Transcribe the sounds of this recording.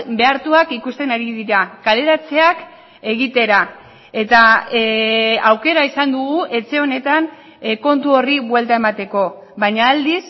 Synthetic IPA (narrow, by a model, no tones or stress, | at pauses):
be̞aɾt̪uakikust̪e̞naɾiðiɾakale̞ɾat͡se̞ak | e̞ɣ̞it̪e̞ɾa | e̞t̪a | awke̞ɾaisand̪uɣuʔe̞t͡se̞o̞ne̞t̪an | ko̞nt̪uo̞riβwe̞lt̪ae̞mat̪e̞ko̞ | βaɲaːld̪is